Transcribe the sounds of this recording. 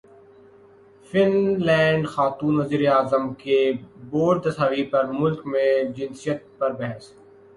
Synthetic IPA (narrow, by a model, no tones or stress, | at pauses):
fɪnlɛ̃ːɳɖxaːt̪uːnʋɐziːɾeaːzəmkeboːɾɖd̪ɐsaːʋipɐɾmʊlkmẽd͡ʒɪ̃nsijət̪̚pɐɾbɛɦɛs